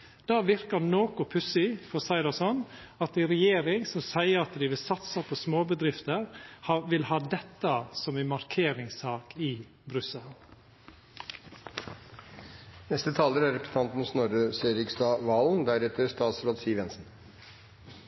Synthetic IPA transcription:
d̪̥ɑːʋɪɾkəɾnoːkʊpʰʉsɪfɔsɑɪd̪ɑsɔn | ɑt̪ɛɾɛjeːɾɪŋsɔmsæɪəɾɑt̪d̪ɪʋɪlsɑt̪sɑpʰɔsmoːbəd̪ɾɪft̪əɾhɑʋɪlhɑːd̪ɛt̪ːəsɔmɛmɑɾkʰeːɾɪŋsɑːkɪ | bɾʉsəl | nɛst̪ət̪ʰɑːləɾæɾɛpɾəsə̥nʰɑnt̪n̩snɔɾəseɾɪkst̪ɑːʋɑːln̩d̪æɾɛt̪əɾst̪ɑːt̪sɾoːd̪siːʋɛnsn̩

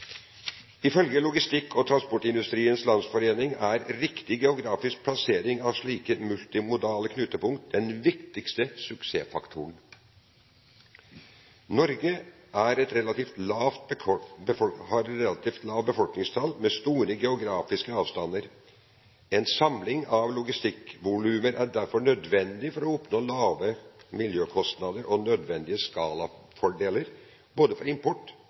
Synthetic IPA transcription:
ɪfœlɡəlʊɡɪst̪ɪkʰːɔt̪ʰɾɑnspɔʈɪnd̪ʉst̪ɾiːənslɑnsfɔɾeːnɪŋæɾɾɪkt̪ɪɡɛʊɡɾɑːfɪsk̚pʰlɑseːɾɪŋɑʋʂɭiːkəmʉlt̪ɪmʊd̪ɑːləkʰnʉːt̪əpʊŋkt̪̚d̪ɛnʋɪkt̪ɪkst̪əsʉkseːfɑkt̪ʰʊəɳ̩ | nɔɾɡə | ʔæɾɛt̪ɾɛlɑt̪iːft̪lɑːʋ̪bhɑɾt̪ɾɛlɑt̪iːft̪lɑːʋbəfɔlknɪŋst̪ʰɑlmɛst̪uːɾəɡɛʊɡɾɑːfɪskəɑːʋst̪ɑnəɾ | ɛnsɑmlɪŋɑʋlʊɡɪst̪ɪkʋʊlʉːməɾʔæɖæɾfɔɳœd̪ʋɛnd̪ɪfɔɾɔɔpnoːlɑːʋəmɪljøːkʰɔst̪nɑd̪əɾʔɔnœd̪ʋɛnd̪ɪəskɑːlɑfɔɖeːləɾ | boːd̪əfɔɾɪmpʰɔʈː

